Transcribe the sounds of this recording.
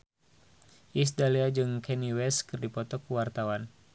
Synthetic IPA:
ʔisdaliad͡ʒɨŋkɛniwɛskɨrdipɔt̪ɔkuwart̪awan

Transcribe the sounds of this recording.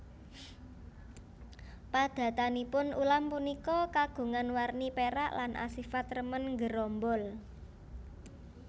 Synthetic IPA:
pad̪̥ä̤t̪anipʊnulampunikɔkaɡ̥ṳŋanwarnipeɾa̰ʔlanʔa̰sifat̪rəmənŋɡəɾɔmbɔl

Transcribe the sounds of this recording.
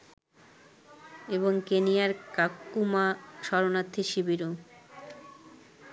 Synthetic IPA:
eβoŋkenijaɾkakːumaʃɔɾonat̪ʰːiʃibiɾo

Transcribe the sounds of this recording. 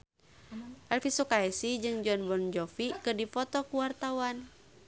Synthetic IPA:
ʔɛlfisukaɛsid͡ʒɨŋd͡ʒɔnbɔnd͡ʒɔfikɨrdifɔt̪ɔkuwart̪awan

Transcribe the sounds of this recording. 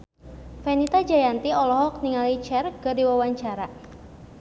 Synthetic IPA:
fɛnit̪ad͡ʒajant̪iɔlɔɦɔk̚niŋalit͡ʃɛrɡədiwawaɲt͡ʃaɾa

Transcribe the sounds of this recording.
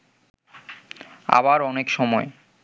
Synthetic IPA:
a̰βaɾɔnekʃɔmɔe

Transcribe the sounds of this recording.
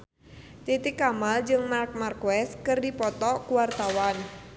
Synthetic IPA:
t̪it̪ikamald͡ʒɨŋmark̚markuwɛskɨrdipɔt̪ɔkuwart̪awan

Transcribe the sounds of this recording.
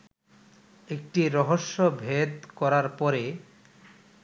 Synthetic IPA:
ek̚ʈiɾɔɦoʃːobʱed̪kɔɾaɾpɔɾe

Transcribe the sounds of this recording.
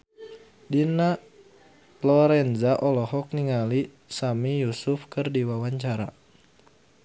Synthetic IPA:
dina | lɔɾɛnzaʔɔlɔɦɔk̚niŋali | samijusufkɨrdiwawaɲt͡ʃaɾa

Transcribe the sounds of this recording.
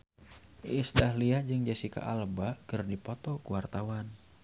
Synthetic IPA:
isdahliad͡ʒɨŋd͡ʒasika̰ʔalbakɨrdipɔt̪ɔkuwart̪awan

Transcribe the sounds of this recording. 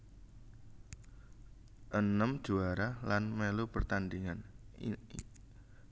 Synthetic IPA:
ʔənəmd̥ʒ̥uaɾahlanmelupərt̪and̪iŋan

